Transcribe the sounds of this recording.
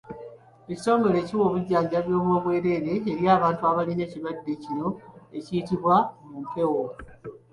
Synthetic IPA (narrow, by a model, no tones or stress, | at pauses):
eci̥so̞ːŋɡo̞le̞ːciwo̞βuɟːaːɲɟaβjo̞ːmoβwe̞ːɾe̞ɾe̞ːɾjaːβaːntuaβaline̞ːciβadːecino̞e̞ciːtiβwamumpe̞wo